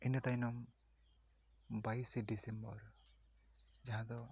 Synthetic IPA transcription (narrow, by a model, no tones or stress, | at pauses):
enɔt̪ajnɔm | bajsɖisembɔɾ | d͡ʒaɦãt̪ɔ